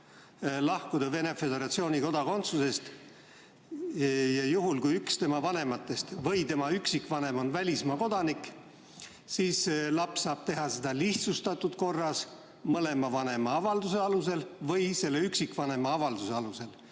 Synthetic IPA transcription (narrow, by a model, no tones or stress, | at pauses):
lɑhkud̪̥ɑve̞ne̞fe̞d̪e̞ɾɑt̪sioːnʲiko̞d̪̥ɑko̞nt̪suse̞st̪ | jɑjuɦulkujykst̪e̞mɑvɑne̞mɑt̪ːˑe̞st̪vɤjt̪e̞mɑyksikvɑne̞mo̞nvælʲismɑko̞d̪̥ɑnikˑ | siːselɑpssːɑːb̥t̪e̞ɦɑsed̪̥ɑliht̪sust̪ɑt̪ːˑud̪̥ko̞rːɑs | mɤle̞mɑvɑne̞mɑɑvɑld̪use̞ɑluse̞lvɤjse̞lːe̞yksikˑvɑne̞mɑɑvɑld̪use̞ɑluse̞l